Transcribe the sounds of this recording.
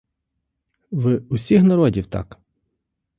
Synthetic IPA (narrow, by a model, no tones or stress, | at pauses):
ʋɪʊsʲixnɐɾɔdʲiwt̪ɑ̰k